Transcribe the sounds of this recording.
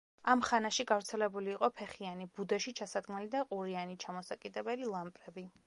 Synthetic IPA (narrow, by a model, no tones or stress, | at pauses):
amχanaʃiɡavɾt̪sʰɛlɛbuliːqʼɔpʰɛχianibud̪ɛʃit͡ʃʰasad̪ɡmɛlid̪aqʼuɾianit͡ʃʰamɔsakʼid̪ɛbɛlilˠampʼɾɛbi